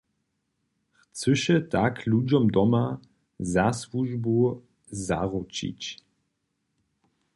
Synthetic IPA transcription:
xt͡sɘʃɛt̪aklud͡ʑɔmd̪ɔma | zaswuʒbu | zaʁut͡ɕḭt͡ɕ

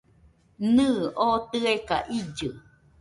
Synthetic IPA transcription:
nɨːʔot̪ɨeka̰ʔid͡ʒɯ

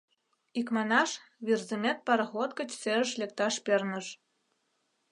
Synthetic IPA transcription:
ikmɑnɑʃβirzɨmʲet̪̚pɑɾɤ̆xot̪̚kə̆t͡ɕseə̆ʃlʲek̚t̪ɑʃpernə̆ʃ

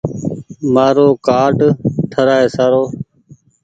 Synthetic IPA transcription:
maːɾoːkaːʈt̪ʰəɾaːeːsaːɾoː

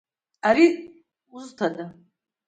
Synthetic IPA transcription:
aɾi | uztʰadʼa

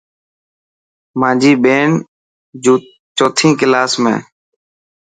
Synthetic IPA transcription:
mãːd͡ʒiːɓeːɳ | d͡ʒuː | t͡ʃoːt̪ʰĩːkɪlaːsmḛ̃ː

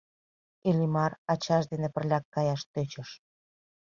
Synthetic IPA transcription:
ilʲimɑrɑt͡ɕɑʃ̬d̪enepə̆rlʲɑkːɑjɑʃt̪øt͡ɕəʃ

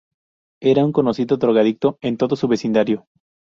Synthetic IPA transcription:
e̞ɾauŋko̞nosiðot̪ɾoɣaðik̚t̪o̞e̞nt̪o̞ðosuβe̞sind̪aɾjo̞

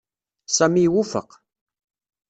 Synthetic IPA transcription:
sæmiwufə̰q

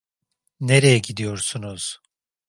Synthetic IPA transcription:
neɾejɛɟid̪ijo̞ɾsunuz̥

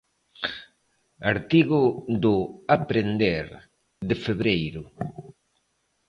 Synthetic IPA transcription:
aɾt̪iɣud̪ʊapɾend̪eɾ | d̪ɪfeβɾejɾu

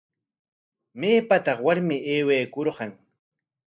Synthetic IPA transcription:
meːpat̪ɑχwaɾmɪeːwejkoɾɢɑŋ

